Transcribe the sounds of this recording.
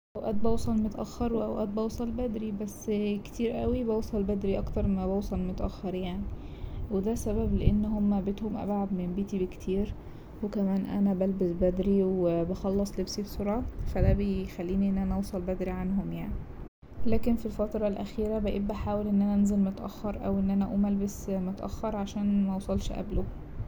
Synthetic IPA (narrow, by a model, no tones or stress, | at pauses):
ʔæwʔæːt̪̚bɑwsˤɑlmot̪ʔæ̰xːɑɾˤweʔæwʔæ̰ːt̪̚bɑwsˤɑlbæd̪ɾibæsːkt̪iːɾʔæwibɑwsˤɑlbæd̪ɾiʔɑkt̪ɑɾˤmæbɑwsˤɑlmot̪ʔæ̰xːɑɾˤjaʕni | wed̪æsæbæbleʔenːhomːæbet̪homʔæ̰bʕad̪membeːt̪ibekt̪ʰiːɾ | wekæmæːnʔæ̰næbælbesbæd̪ɾiwebɑxɑlːɑsˤlebsibsˤoɾˤʕɑfæd̪æbexælːiːniʔenːʔænæʔɑwsˤɑlbæd̪ɾiʕanɦomjaʕni | læːkenfilfɑt̪ɾˤɑlʔæxiːɾæbeʔebːæħaːwelʔenːʔænæʔænzelmot̪ʔæ̰xːɑɾˤʔæwʔenːʔænæʔuːmælbæsmot̪ʔæ̰xːɑɾˤʕaʃæːnmæwɑsˤɑlʃʔæ̰blo